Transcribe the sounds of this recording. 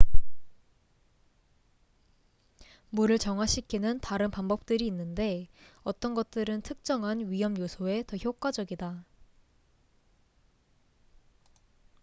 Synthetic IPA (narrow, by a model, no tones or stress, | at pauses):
muɾɯɭt͡ɕʌŋwaɕʰikʰinɯntaɾɯnpanbʌp̚t͈ɯɾiːnːɯnde̞ʌt͈ʌnɡʌt̚t͈ɯɾɯntʰɯk̚t͡ɕ͈ʌŋɦanɥijʌmjosʰoe̞tʌçjok͈wad͡ʑʌɡida